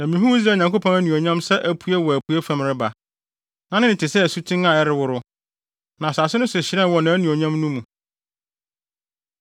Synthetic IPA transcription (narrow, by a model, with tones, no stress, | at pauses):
nã˨mĩ˨ɦũ˦i˦zɾaː˦˨ɲã˨kʰo˦pʰɔ̃˦ŋæ˦nũ˨o˨ɲã˦msɛ˦ʔæ˦pʰu˦e˦wɔ˨æ˨pʰu˦ɛ˦fã˨mɾɪ˦ba˨ | nã˨˦nɪ̃˦nɪ̃˨tʰɪ˨sɛ˦æ˨su˦tʰɪ̃˦na˨ɛ˦ɾɪ˨˦wʊ˦ɾʊ˦ | nã˨sa˨sɪ˦nʊ̃˦sʊ˨ɕɪ˨ɾɛ̃˦nwɔ˨nã˨æ˦nũ˨o˨ɲã˦mnũ˦mũ˨